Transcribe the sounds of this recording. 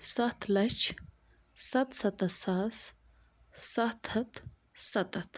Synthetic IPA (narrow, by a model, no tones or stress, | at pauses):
sɐt̪ʰlɐt͡ʃʰ | sɐt̪sɐt̪ɐsaːs | sɐt̪ʰɐt̪ | sɐt̪ɐt̪